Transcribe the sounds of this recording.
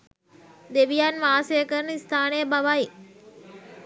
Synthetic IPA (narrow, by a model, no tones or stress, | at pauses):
d̪eʋijanʋaːsɐjəkəɾənəist̪ʰaːnəjəbaʋaji